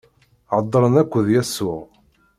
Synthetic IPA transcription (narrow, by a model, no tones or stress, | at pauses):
ʕəd̪ˤːɾˤənækʷːəðjæsːʊʁ